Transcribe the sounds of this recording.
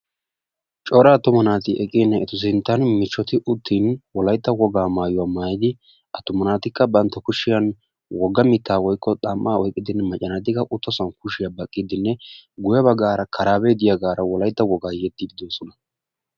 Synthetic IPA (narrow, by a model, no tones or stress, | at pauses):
t͡ʃʼɔːɾɐːt̪ːʊmɐnaːt̪ɪʔɛkʼɪnːɛɛt̪ʊs̬ɪnt̪ːɐnmɪt͡ʃːɔt̪ɪʔʊt̪ʰːiːnwɔlɐjt̪ːɐwɔɡaːmaːjʊwaːmaːjɪd̪ɪ | ʔɐt̪ʊmɐnaːt̪ɪkːɐbɐnt̪ːɐkʊʃɪjɐn | wɔɡːɐmɪt̪ːaːwɔjkʰːɔt̪ʼɐmːaːɔjkʼːɪd̪ɪnːɛmɐt͡ʃʼːɐnɐt̪ːɪkɐʔʊt̪ːɔsɐnkʊʃɪjɐbɐkʼːɪd̪ɪnːɛɡʊjɐbɐɡaːɾɐkʰɐɾaːbeːd̪ɪjɐɡaːɾɐwɔlɐjt̪ːɐwɔɡaːjɛd̪ːɪd̪ɪd̪oːsɔnɐ